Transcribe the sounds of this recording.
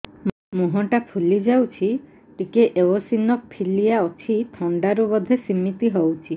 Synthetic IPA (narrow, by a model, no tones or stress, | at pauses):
muɦɔʈapʰulid͡ʒawt͡ʃʰi | ʈikeʔeosinɔk̚pʰilijaɔt͡ʃʰit̪ʰɔɳɖaɾubɔd̪ʱesimit̪iɦowt͡ʃʰi